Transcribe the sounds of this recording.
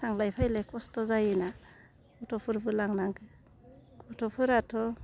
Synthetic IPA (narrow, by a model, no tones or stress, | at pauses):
saŋlajpʰajlajkʰɔstɔzajina | bɔtʰɔpʰɯɾbɯlaŋnaŋɡɯ | ɡɔtʰɔpʰɯɾatʰɔ